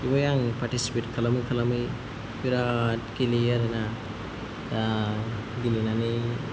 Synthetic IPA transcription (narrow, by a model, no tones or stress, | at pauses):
ibajaŋpaɾtisi̥pet̚kʰalamɯjkʰalamɯj | piɾat̚kiliaɾana | a | ɡilinani